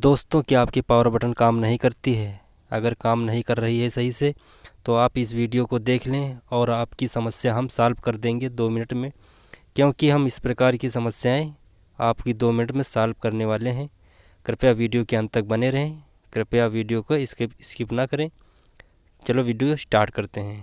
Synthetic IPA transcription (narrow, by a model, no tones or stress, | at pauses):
d̪oːst̪õkiaːpkipaːʋɾbɐʈənkaːmnɐɦĩkɐɾt̪iɦɛː | ɐ̰ɡəɾkaːmnɐɦĩkɐɾːɐɦiɦɛsɐɦise | t̪oaːpɪsʋiːɖijokod̪eːkʰlẽɔːɾaːpkisɐməsjaɦɐmsaːlbkɐɾd̪ẽːŋɡed̪oːmɪnəʈmẽ | kjõːkiɦɐmɪspɾɐkaːɾkisɐməsjaẽ | aːpkid̪oːmɪnəʈmẽsaːlp̚kɐɾneʋaːleɦɛ̃ː | kɾɪpjaʋiːɖijokeɐ̃nt̪ək̚bɐneɾɐɦẽ | kɾɪpjaʋiːɖijokaɪsɪskɪpnɐkɐɾẽː | t͡ʃɐloʋiːɖijosʈaːɾʈ̚kɐɾt̪eɦɛ̃ː